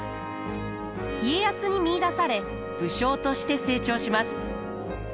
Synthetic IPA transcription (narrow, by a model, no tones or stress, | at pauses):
ie̞jasɨɲ̟imʲiːd̪asaɾe̞ | b̥ɯ̟ɕo̞ːt̪o̞ɕi̥t̪e̞se̞ːt͡ɕo̞ːɕimasɨ̥